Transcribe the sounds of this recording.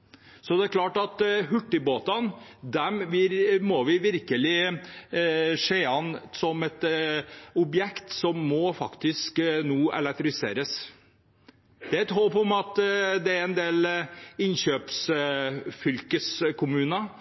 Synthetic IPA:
sɔd̪ɛæɾkʰlɑːʈɑt̪ɦʉʈːɪboːt̪ɑnd̪ɛmʋɪɾmɔʋɪʋɪɾkəlɪ | ʂeːɑnːsɔmɛt̪ | ɔbjɛkt̪sɔmːɔfɑ̰kt̪ɪsknuːɛ̰lɛk̚t̪ɾɪɪsḛːɾəs | d̪̥ɛæt̪ɦoːpɔmɑt̪d̪ɛæɾɛnd̪eːlɪnɕøːps | fʏlkəskʰʊmʉːnɑ

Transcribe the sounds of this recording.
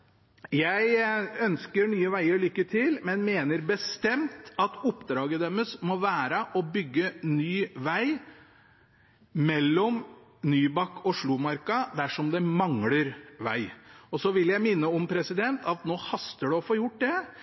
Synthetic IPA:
jæɪœnskəɾɳyːəʋæɪəɾɭʏkːət̪ʰɪlmɛnmeːnəɾbəst̪ɛmt̪ɑt̪ʊpd̪ɾɑːɡəd̪ɛməsmɔʋæːɾəʔɔbʏɡːənyːʋæɪ | mɛlːɔm | nyːbɑkːɔʂɭʊmɑɾkɑd̪æʂɔmd̪ɛmɑŋləɾʋæ̰ɪɔsɔʋɪljæɪmɪnːəɔmpʰɾɛsɪd̪ɛnt̪ʰɑt̪noːhɑst̪əɖɛɔfoːjʊʈ̚ːd̪ɛ

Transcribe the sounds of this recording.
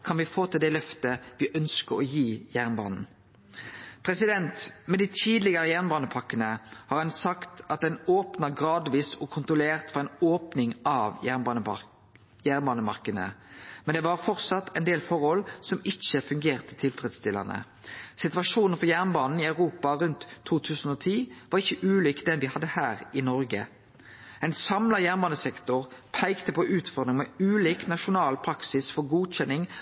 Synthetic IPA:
kʰɑnʋɪfoːt̪ʰɪld̪ɛlœft̪əʋɪʔœnskəɾɔjiːjæʁnbɑ̰ːnn̩ | pʰɾɛsɪd̪ɛnt̪mɛd̪ɪt̪ʰiːd̪lɪɡɑɾəjæʁnbɑːnəpʰɑkːənəhɑʁɛnsɑkt̪ɑt̪̚d̪ɛnoːpnɑɡɾɑːd̪ʋiːsɔkʰʊnt̪ʁʊleːʁt̪fɔɾɛɪnoːpnɪŋɑːʋjæʁbɑnə | jæːʁnbɑːnəmɑ̰ʁkənə̰mɛnd̪ɛʋɑɾfɔʁt̪sɑt̪ːʰɛɪnd̪eːlfɔʁhɔlsɔmɪçəfʉŋɡeːʁt̪ət̪ʰɪlfɾɛd̪st̪ɪlːə̰nə̰ | sɪt̪ʉʋɑʂuːnn̩fɔʁjæʁnbɑːnn̩iɑʉʁuːpɑɾʉnt̪ʰːuːt̪ʰʉːsn̩oːt̪ʰiːʋɑʁɪçːəʔʉːliːkd̪ɛnʋɪhɑd̪ːəhæːʁɪnɔɾɡə̰ | ɛɪnsɑmlɑjæːʁnbɑːnəsɛkt̪ʊʁpʰæɪkt̪əpɔʔʉːt̪fɔɾd̪ʁɪŋmɛʉːliːknɑʂʊnɑːlpʰɾɑksɪsfɔɾɡuːc͡çɛnːɪŋ

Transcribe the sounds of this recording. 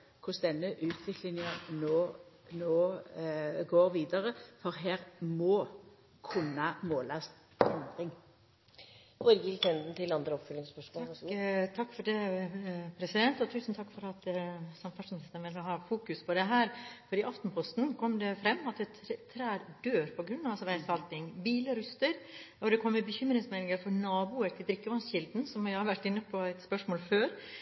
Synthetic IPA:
kʰʊsd̪ɛnːəʔʉːt̪ʰʋɪkʰlɪŋəʁnoː | noː | ɡoːʁʋiːd̪əʁəfɔʁɦeːʁmɔː | kʰʉnːɑmoːlɑs | ɛnd̪ʁɪŋ | ɔɾɡɪlt̪ʰɛnd̪n̩t̪ʰɪlɑnd̪ɾəɔpfʏlɪŋspœʃm | t̪ʰɑkːfɔɖɛ | pʰɾɛsɪd̪ɛnt̪ɔt̪ʰʉːsn̩t̪ʰɑkːfɔɾɑt̪sɑmfɑsnɛst̪ənʋɪlhɑhɑːfuːkʉspʰɔd̪ɛɦæːɾfɔɾɪːʔɑft̪n̩pʰɔst̪nkʰɔmːd̪ɛfɾɛmːɑt̪d̪ɛt̪t̪ʰːɾæːɾɖøːɾpʰɔɡɾʉnːɑsʋæɪsɑlt̪ɪŋbiːləɾʉst̪əɾ | ɔd̪ɛkʰɔmːɛbəçʏmːɾɪŋsmɛnɪŋəɾfɔɾnɑːbuːəɾt̪ʰɪld̪ɾɪkːəʋɑnsçɪld̪n̩sɔmæhɑɾʋæʈːɪnːəpʰɔæɪt̪spœʂmoːlføːɾ

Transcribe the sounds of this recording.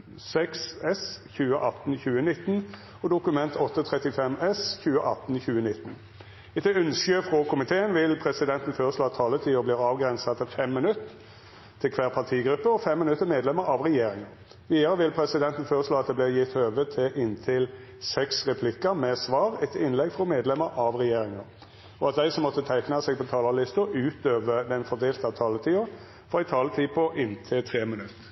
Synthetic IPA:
sɛksɛsçʉːəʔɑt̪n̩çʉːənɪt̪ːn | ɔd̪ʊkʉmɛnt̪ʰɔt̪ːət̪ʰʁɛt̪ɪfɛmɛsçʉːəʔɑ̰t̪ːn̩çʉːənɪt̪ːn | ɛt̪ʉnsəfʁokʰʊmɪt̪ʰeːənʋɪlpʰɾɛsɪd̪ɛnt̪n̩føːʁəʂloːɑt̪ʰɑːlət̪ʰiːɔbliːʁɑːʋɡɾɛnsɑt̪ʰːɪfɛmːɪnʉt̪ːʰ | ɪlkʰʋæːʁpʰɑt̪ʰiːɡɾʉpːəɔfɛmːɪnʉt̪ːəmeːd̪lɛməɾɑʋʁɛjeːɾɪŋən | ʋiːd̪əʁəʋɪlpʰɾɛsɪd̪ɛnt̪n̩føːʁəʂloːɑt̪̚d̪ɛːblɪʁjɪt̪høːʋət̪ʰɪʔɪnt̪ʰɪl | sɛksʁɛpʰlɪkːəmɛsʋɑːʁɛt̪ʰɪnlɛɡfʁɔmeːd̪lɛməɾʔɑʋʁɛjeːɾɪŋɑɾ | ɔɑt̪̚d̪æɪsɔmːɔt̪ːət̪ʰæɪknɑseːɡ̚pʰɔt̪ʰɑːlɑlɪst̪ʊʉːt̪øːʋəd̪ɛnfɔɾd̪eːlt̪ɑt̪ʰɑːlət̪ʰiːʊɾ | fɔʁæɪt̪ʰɑːlət̪ʰiːpʰɔʔɪnt̪ʰɪlt̪ʰʁeːmɪnʉt̪ː

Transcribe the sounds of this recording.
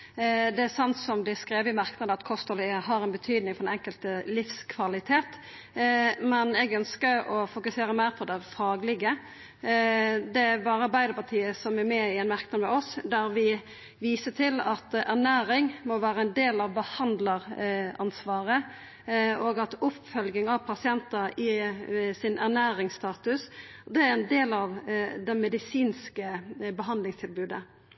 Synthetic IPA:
d̪ɛæɾsɑnt̪sɔmd̪ɛskɾeːʋəɪmɑɾknəd̪əɑt̪kʰɔst̪ɔlɪəɦɑɾɛnbət̪ʰyːd̪nɪŋfɔɾɛnɛŋkəlt̪əlɪfskʰʋɑlɪt̪ʰeːt̪ | mɛnɛɡœnskəɾɔfʊkʉseːɾəmæɪɾpʰɔd̪ɛfɑːɡlɪɡə | d̪ɛæɾbɑːɾəɑbæɪd̪əpɑt̪ʰiːəsɔmæɾmɛɪɛnmɑɾknɑd̪əmɛɔsd̪æɾʋɪ | ʋiːsət̪ʰɪlɑt̪æʁnæːɾɪŋmɔʋæːʁəɛnd̪eːlɑʋbəhɑnd̪ləɾɑnsʋɑːʁə | oɡɑt̪ʊpfœlɡɪŋɑʋpʰɑsɪɛnt̪ɑɪsɪnʔæʁnæːɾɪŋsst̪ɑːt̪ʉsd̪ɛæɾɛnd̪eːlɑʋd̪ɛmɛd̪ɪsiːnskəbəɦɑnd̪lɪŋst̪ʰɪlbʉːd̪ə

